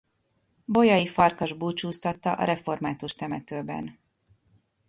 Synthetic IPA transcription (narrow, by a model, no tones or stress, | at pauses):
bo̞jɒjifɒrkɒʒbuːt͡ʃuːst̪ɒt̪ːɒ̰ʔɒ̰ɾɛfo̞rmaːt̪uʃt̪ɛmɛt̪øːbɛ̰n